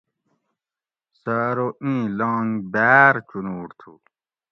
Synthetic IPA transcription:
saɾoʔĩːlãːŋɡbæːɾt͡ɕunuːɾt̪ʰṵ

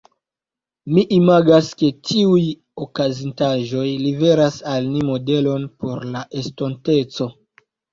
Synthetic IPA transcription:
miʔimaɡaske̞tʰiuj | okazintaʒo̞jlive̞ɾasalnimo̞de̞lo̞npo̞ɾlaʔesto̞nte̞t͡so̞

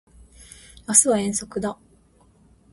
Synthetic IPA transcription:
jasɨβaẽ̞ɰ̃so̞kɯ̟d̪a

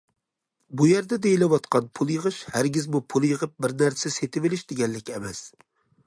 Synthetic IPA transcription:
bujæɾd̪ɛd̪ejilɛwɑt̪qʰɑnpʰulˠjəʁɨʃhæɾɡʲɪzmupʰulˠjəʁəp̚bɪɾnæɾsɛset̪ʰɪvɪlɪʃd̪ɪɡʲɛnlɪkʲɛmɛs

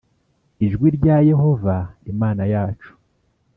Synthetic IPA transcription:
iʒɡwiɾɟaje̞ɦo̞vaimaːnajaːt͡ʃu̥

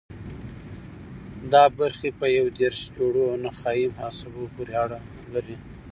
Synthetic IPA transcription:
d̪ɑbaɾxepəjawd̪eɾʃd͡ʒoɽoawnaxɑjimhɑsabopoɾeaɽa | laɾi

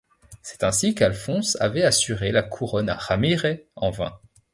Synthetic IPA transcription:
sɛ̥t̪ɛ̃sikalfɔ̃sa̰vɛasyʁelakʰuʁɔna̰ʁamiʁɛɑ̃vɛ̰̃

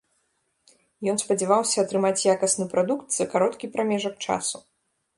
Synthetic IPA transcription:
jɔnspɐd͡zʲɛvawsʲɐɐt̪ɾɨmat͡sʲjakɐsnɨpɾad̪ukt̪zɐkaɾɔt̪kʲipɾamʲɛʐɐk̚t͡ʂa̰su

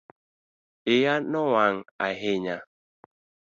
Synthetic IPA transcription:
ejanɔwaŋa̰ɦeɲa

